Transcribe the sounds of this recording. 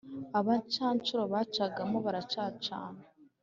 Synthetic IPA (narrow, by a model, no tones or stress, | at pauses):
aβat͡ʃaːnt͡ʃuɾoβat͡ʃaɡamoβaɾat͡ʃaːt͡ʃa̰ːnḁ